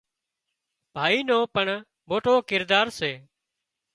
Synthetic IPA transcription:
bʱaːiːnõːpəɳ | boːʈoːkɪɾd̪aːɾseː

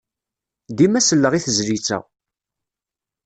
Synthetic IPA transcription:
d̪imæsəlːəʁiθəzɾit͡sːæ̰

